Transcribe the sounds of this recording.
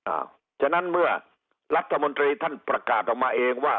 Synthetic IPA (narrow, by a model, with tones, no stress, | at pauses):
a̰˧˩ | t͡ɕʰa˧˥na˥˨nmɯ˥˩ɐ | ɾa˦˥t̪ʰːa˧mo˧nt̪ɾiː˧t̪ʰa˥˩npɾa˧kaː˨˩t̪̚ʔɔː˨˩kmaː˧ʔeː˧ŋwaː˥˩